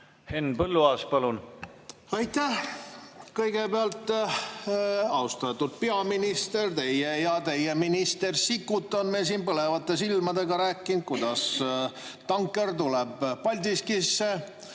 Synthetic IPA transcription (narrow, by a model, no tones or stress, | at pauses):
henpɤlːuɑːspɑlun | ɑjt̪æh | kɤjɡ̥e̞beɑlt̪ˑ | ɑwst̪ɑt̪ːud̪̚peɑminist̪e̞rt̪e̞jejɑt̪e̞jeminist̪e̞rsikːˑut̪ːˑonmesiːnpɤle̞vɑt̪ːe̞silmɑd̪e̞ɡɑɾæːkˑːin̚kujd̪̥ɑs | t̪ɑŋkːˑe̞rt̪ulebːɑlʲd̪iskisːe̞